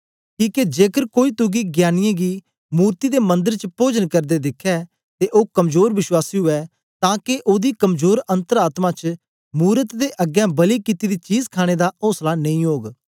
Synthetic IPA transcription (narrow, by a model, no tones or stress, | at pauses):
kĩːked͡ʒeːkəɾkoːiːt̪ʊɡiːɡjaːnɪjãːɡiː | muːɾt̪iːd̪eːmə̃nd̪əɾt͡ʃəpoːd͡ʒənkəɾd̪eːd̪ɪkʰːɛː | t̪eːʔoːkəmzoːɾʋɪʃwaːsiːɦʊɛː | t̪ãːkeʔoːd̪iːkəmzoːɾə̃nt̪əɾaːt̪mãt͡ʃ | muːɾət̪d̪eːʔəɡjɛ̃ːbəlikɪt̪id̪iːt͡ʃiːzkʰaːɽ̃ed̪aʔoːslanɐ̃ĩːɦoːɡ